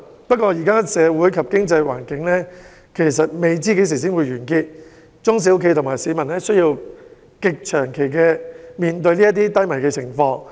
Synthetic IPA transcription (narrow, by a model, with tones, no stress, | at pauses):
pɐ˥t̚kʷɔː˧jiː˨˩kaː˥sɛː˨˧wuː˨˥jkʰɐ˨p̚kɪ˥ŋt͡sɐ˧jwa̰ː˨˩nkɪ˨˥ŋlɛː˥ | kʰe˨˩jsɐ˨t̚me˨jt͡siː˥ke˨˥js̬iː˨˩s̬iː˥nwuː˨˧jɥyː˨˩nkiː˧t̚ | t͡ʃʊ˥ŋs̬iː˧˥kʰe˧jt̪ʰʊ˨˩ŋmaː˨˩jsiː˨˧mɐ˨˩nlɛː˥sɵ˥ɥjiː˧w | kɪ˨k̚t͡ʃʰœː˨˩ŋkʰe˨˩jkɛː˧miː˨˧nt̪ɵ˧ɥliː˥jɐ˥t̪̬iː˥t̪ɐ˥jmɐ˨˩jkɛː˧t͡sʰɪ˨˩ŋfɔː˧ŋ